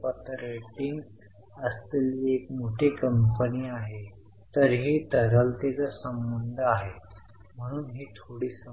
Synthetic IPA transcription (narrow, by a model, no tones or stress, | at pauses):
pət̪ɾeʈiŋɡ | əst̪eliːekmoʈʰekəmpəniːaɦe | t̪əɾɦiːt̪əɾəlt̪et͡səsəmbənd̪ʱəaɦe | m̤əɽ̃uːnɦiːt̪ʰoɽiːsə